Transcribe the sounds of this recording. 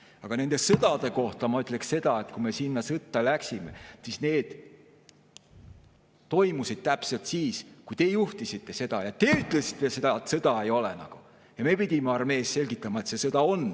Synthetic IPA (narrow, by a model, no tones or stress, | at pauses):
ɑɡ̥ɑne̞nd̪̥e̞sɤd̪̥ɑd̪̥e̞ko̞ht̪ɑmɑyt̪ːˑle̞ksse̞d̪̥ɑe̞t̪kume̞sinːɑsɤt̪ːˑɑlæksime̞̰sisne̞ːd̪̥ | t̪o̞jmusid̪̥̚t̪æpse̞lt̪siːskujt̪e̞ːjuht̪isit̪ːe̞se̞d̪̥ɑjɑt̪e̞ːyt̪ˑlesi̥t̪ːˑe̞se̞d̪ɑet̪sɤd̪̥ɑejo̞lḛnɑ̰ɡ̥u | jɑme̞pid̪ʲimeɑrme̞ːsse̞lɡ̥it̪ːˑɑmɑet̪se̞sɤd̪̥ɑo̞n